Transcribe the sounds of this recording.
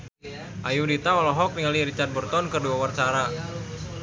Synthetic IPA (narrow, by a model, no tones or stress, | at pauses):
ʔajudit̪aɔlɔɦɔk̚niŋaliɾit͡ʃart̪̚bərt̪ɔnkərduawart͡ʃaɾa